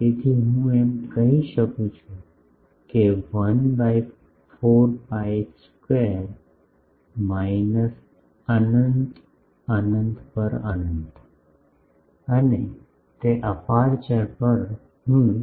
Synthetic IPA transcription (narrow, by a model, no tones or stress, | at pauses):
et̪ʰiɦũemkəɦĩɕəkũt͡ɕʰu | keʋənbajk | foɾpajskweɾ | majnəs | anənt̪ | anənt̪pəɾanənd̪ | ani | t̪eʔəpaɾt͡ɕapəɾ | məɽ̃ũ